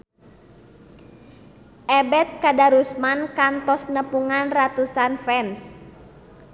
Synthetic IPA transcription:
ʔɛbɛt̪̚kadaɾusmankant̪ɔsnəpuŋanrat̪usanfɛns

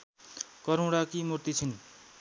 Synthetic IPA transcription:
kʌɾuwɽakimurt̪it͡sʰin

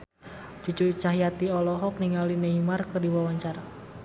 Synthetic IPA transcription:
d͡ʒ̥ud͡ʒurt͡ʃaɦjat̪iɔlɔɦɔk̚niŋalineimarkərdiwawaɲt͡ʃaɾa

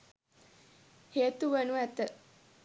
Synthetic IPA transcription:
heːt̪uʋənuæt̪ə

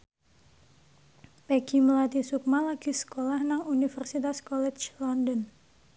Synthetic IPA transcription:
pɛɡiməlat̪isuk̚malaɡ̥isə̥kolahnaŋunifərsit̪askɔlɛt͡ʃlɔndən

